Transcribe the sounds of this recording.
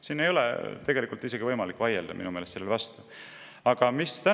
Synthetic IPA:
siːnːe̞jo̞lɛ̰t̪e̞ɡ̥e̞likːˑult̪ːˑise̞ɡivɤjmɑlikːˑvɑjeld̪ɑmḭnumeːlt̪selːevɑst̪u | ɑɡ̥ɑmist̪æ

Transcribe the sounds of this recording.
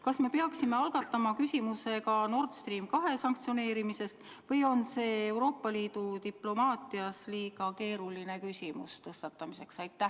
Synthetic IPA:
kɑsme̞peɑksime̞ɑlɡ̥ɑt̪ˑːɑmɑkysʲimuse̞kɑno̞rt̪st̪riːmkɑɦe̞sɑŋkt̪sio̞ne̞ːɾimise̞st̪ | vɤjo̞nse̞ːwɾo̞ːpːˑɑliːd̪̥ut̪iplo̞mɑːt̪iɑsliːɡɑke̞ːɾuline̞kysʲimṵst̪ɤst̪ɑt̪ːˑɑmise̞ksɑjt̪ːˑæh

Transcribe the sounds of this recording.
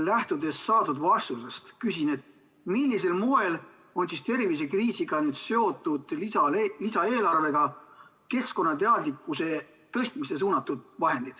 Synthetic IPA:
læht̪ud̪e̞sːɑːd̪ud̪vɑrst̪usest̪kysine̞t̪ | milːise̞lmoe̞l | o̞nsist̪e̞rvis̬e̞kriːsiɡ̥ɑnyːd̪̥se̞o̞t̪ːˑud̪̥liɑlisɑe̞ːlɑrve̞ɡ̥ɑ | ke̞sko̞nːɑt̪e̞ɑd̪likːˑuse̞ | t̪ɤsʲt̪mise̞s̬uːnɑt̪ːˑud̪̥vɑɦe̞nd̪̥id̪̥

